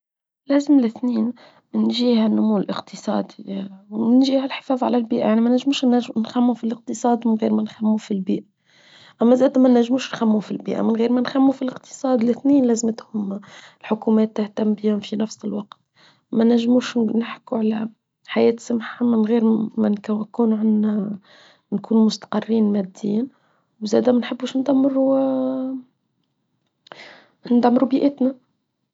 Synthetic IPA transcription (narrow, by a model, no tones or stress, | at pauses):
læːzɪmlɪθniːn | nʒiːhænːʊmuːlʔɪqt̪ɨsˤɑ̰ːd̪i | nʒiːhælħɪ̥fɑːðˤʕa̰lælbiːʔjaʕnimænæʒːmuːʃnnxæmːufilɪq̚t̪ɨsˤɑːd̪mɪnɣiːɾmænxæmːufilbḭːʔæ | ʔæmːæzæːd̪mænːæʒːmuːʃnxæmːufilbḭːʔæ̰mɪnɣiːɾmænxæmːufilɪqt̪ɨ̥sˤɑːd̪lɪθniːnlæːzmɪt̪hʊmlħʊkumɛːt̪ːaht̪æmbihʊmfinæfsəlwɑqt̪ | mænæʒːmuːʃnɪħkuʕalæ | ħajɛːt̪sʊmħamɪnɣiːɾmænkkuːnuʕan | nkuːnumʊst̪ḁqɑrːiːnmæd̪ːḭːn | wzæːd̪æmænħəbːuʃnd̪æmːɾu | nd̪amːɾubiːʔɪt̪næ